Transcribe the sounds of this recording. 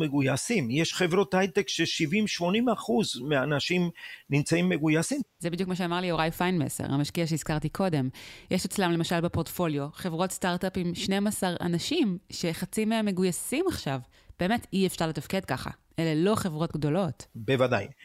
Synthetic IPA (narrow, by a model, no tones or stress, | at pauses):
meɡujasimjeʃχevɾothajt̪ekʃeʃivimʃmo̞nimaχuzmeanaʃimnimt͡saimːeɡujasimzebidjukmaʃeamaʁlioʁajfajnmḛsḛʁha̰maʃkiaʃ̬eiz̥kaʁtikʰo̞de̞mjeʃet͡slamlemaʃalbepoʁtfo̞ljo̞χe̞vʁo̞tstaʁtapimʃne̞masaʁa̰naʃimʃe̞χat͡simmːe̞ɡujasimaχʃav | b̥e̞ːme̞tʰiefʃaʁle̞tafke̞d̚kaχa̰ʔelelo̞χe̞vʁo̞tɡdo̞lo̞tbevada̰j